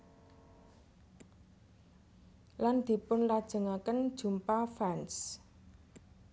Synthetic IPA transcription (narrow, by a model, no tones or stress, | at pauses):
land̪̥i̤pʊnlad̥ʒ̥ə̤ŋakənd̥ʒ̥ṳmpafɛns